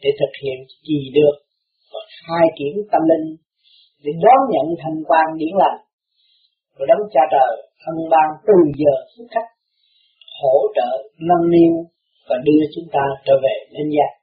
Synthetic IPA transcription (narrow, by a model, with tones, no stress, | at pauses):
ɗe˧˩t̪ʰɨ˨˩k̚hḭ˧˨ən | t͡ɕi˨˩ɗɨ˨˩ək̚ | vɔ˨˩xaː˧jki˧˦əmt̪ə˧mlï˧ŋ̟ | ɗe˧˩˦ɗɔ˨˦nɲə̰˧˨nt̪ʰə˧ŋkwaː˧nɗi˧˦əŋla˨˩ŋ | ku˧˩ɗə˨˦wŋ͡mt͡ɕaː˧t͡ɕəː˨˩j | ʔə˧nɓaː˧ŋt̪ɨ˨˩zəː˨˩sɨ˦˥t̚xa˦˥k̚ | ho˧˩˨ʈ͡ʂə̰ː˧˨nə˧nni˧ən | vaː˨˩ɗɨ˧ət͡ɕʊ˨˦ŋ͡mt̪aː˧ʈ͡ʂə̰ː˧˩ve˨˩le˧nzaː˧˩